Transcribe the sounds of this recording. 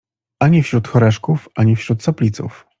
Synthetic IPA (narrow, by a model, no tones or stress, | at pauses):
aɲifɕɾut̪xɔɾɛʂkufaɲifɕɾut̪sɔpʲlʲit̪sṵf